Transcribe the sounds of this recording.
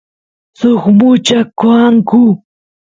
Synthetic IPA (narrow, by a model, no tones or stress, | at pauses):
soχmʊt͡ʃakwaŋkʊ